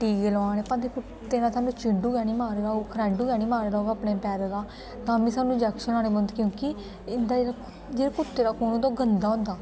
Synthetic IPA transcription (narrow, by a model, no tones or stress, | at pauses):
ʈiːkeːlʋaːneːpə̃nd̪eːkʰʊ | t̪eːnãːsaːnũːt͡ʃɪɖũːɡɛːniːmaːɾlaːokʰɾɛːɖuːɡɛːniːmaːɾlaːɡaːpneːpɛːɾd̪aː | t̪ãːbĩːsaːnũːd͡ʒɛːkʃənaːneːbənd̪kjõːkɪ | ɪnd̪aːd͡ʒeɾa | d͡ʒeːɾekʊt̪ːeːd̪aːkoːnõːnd̪aoːɡənd̪aːɦʊ̃nd̪aː